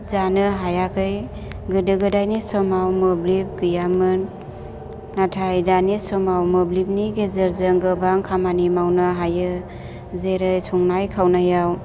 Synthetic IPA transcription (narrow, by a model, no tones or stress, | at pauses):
zanɯɦajakʰɯj | ɡɯdɯɡɯdajnisɔmawmɯblip̚ɡɯjamɯnː | atʰajdanisɔmawmɯblip̚niɡezeɾzɯŋɡɯbaŋkʰamanimawnɯɦajɯ | zeɾɯjsʰɔŋnajkʰawnajaw